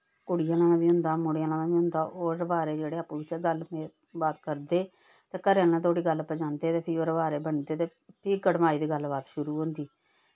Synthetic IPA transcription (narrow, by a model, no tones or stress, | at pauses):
kʊɽɪjãːlãːd̪aːbiːɦʊ̃nd̪aːmʊɽeãːlãːd̪aːʋiːɦʊ̃nd̪aːoːɾəʋaːɾeːd͡ʒeːɽeːaːpːũːbɪt͡ʃɛːɡəlmeː | baːt̪kəɾd̪eː | t̪ẽːkəɾẽːlːãːt̪ʰoːɽiːɡəlːpəd͡ʒãːnd̪eːt̪eːpʰɪɾoːɾəʋaːɾeːbəɳd̪eːt̪eː | pʰɪɡəɽmaːiːd̪iːɡəlbaːt̪ʃʊɾuːɦõnd̪iː